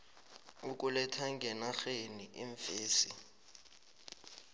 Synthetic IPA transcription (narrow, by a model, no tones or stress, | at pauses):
uk̬ʼulɛtʰaŋɡʱɛnaxeniʔiɱfeːsi